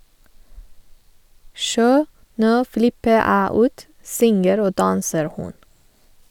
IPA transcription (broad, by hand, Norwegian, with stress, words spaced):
ˈʃoː ˈnoː ˈflɪpə ˈæː ˈuːt ˈsʏŋəɾ ˈoː ˈdɑːnsəɾ ˈhʊn